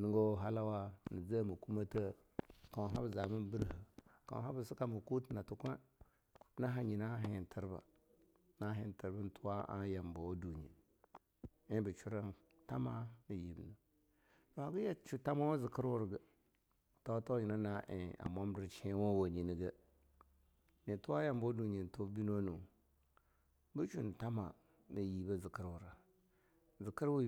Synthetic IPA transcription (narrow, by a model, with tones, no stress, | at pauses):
nə˦ŋɡo˦ɦa˦la˦wa˦nə˨d͡zə˦mə˨ku˦ma˦tə˦ | ka˨ɦa˦bza˨mə˦n˦bə˦ɾhə˨ka̰˨ɦa˦bə˨si˦ka˦mu˨ku˦tna˨tu˦kʷe˦ | na˦ɦa˨ɲi˨na˦ɦi˨n˨tʰə˨ɾba̰˨ | na˦ɦi˨n˨tə˨ɾbə˦n˨tu˦wa˦ʔa̰˦ja˨mba˨wo˦du˨ɲḭ˨ | i˦bə˨t͡ʃu˦ɾa˦n | ta˦ma˦nə˨ji˨bnə˨˦ | a˨ɡə˦ja˨t͡ʃu˨ta˦ma˦wo˦zɨ˨kə˦ɾwʊ˦ɾɡə˨ | to˦to˦ji˨na˦na˦ʔḛ˨a̰˨ma˦m˦dɨ˦ɾt͡ʃi˦wo˦wo˨ɲi˨ni˨ɡə˦ | ni˨tu˦a˦ja˨mbo˦du˨ɲi˨n˨to˦bi˦no˦nu˨ | bə˦t͡ʃu˦n˨ta˦ma˨ | nə˨ji˨bə˦zi˨kə˦ɾwʊ˨ɾa˨˦ | zi˨kə˦ɾw